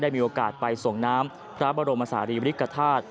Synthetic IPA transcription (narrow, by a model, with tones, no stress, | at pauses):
daː˥˩jmiː˧ʔoː˧kaː˨˩t̪̚pa˧jso˨˩ŋnaː˦˥m | pʰɾa˦˥bɔː˧ɾo˧ma˧saː˩˦ɾiː˧pa˧ɾi˦˥kːa˧t̪ʰaː˥˩t̪̚